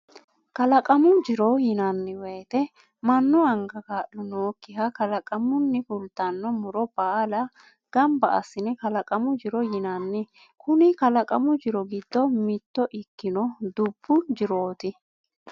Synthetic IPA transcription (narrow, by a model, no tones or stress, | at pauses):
kɐlɐkʼɐmʊd͡ʒɪɾɔjɪnɐnːɪwɛjt̪ɛ | mɐnːʊɐŋɡɐkaːʔːʊnoːkːɪhɐkɐlɐkʼɐmʊnːɪfʊlt̪ːɐnːɔmʊɾɔb̥aːlɐ | ɡ̥ɐmbɐʔɐ̰sːɪnɛkɐlɐkʼɐmʊd͡ʒɪɾɔjɪnɐnːɪ | kʊnɪkɐlɐkʼɐmʊd͡ʒɪɾɔɡɪd̪̥ːɔmɪt̪ːɔʔɪkːɪnɔd̪ʊb̥ːʊd͡ʒɪɾo̞ːt̪ɪ